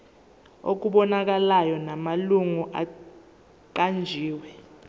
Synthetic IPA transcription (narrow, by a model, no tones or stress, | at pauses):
o̰k̬uɓɔnak̬alajɔnamaluŋuʔa | ǃand͡ʒʱiːwɛ